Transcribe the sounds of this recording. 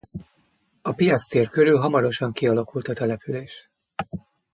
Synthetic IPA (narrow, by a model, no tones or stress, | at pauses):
ɒpijɒt̪st̪eːrkøɾylɦɒmɒɾo̞ʃɒŋkiɒlɒkult̪ɒt̪ɛlɛpyleːʃ